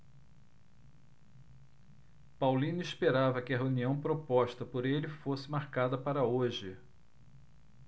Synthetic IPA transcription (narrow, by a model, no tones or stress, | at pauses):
pawlĩnʊispeɾavɐkɪɐɦeuniɐ̃w̃pɾopɔʃt̪ɐpoɾelɪfosɪmaɾkad̪ɐpaɾɐoʒɪ